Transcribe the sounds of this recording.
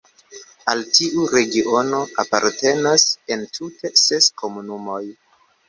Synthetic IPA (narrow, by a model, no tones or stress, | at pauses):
altiʔuɾe̞ɡiʔo̞no̞apa̰ɾte̞nase̞ntʰute̞se̞sko̞munumo̞j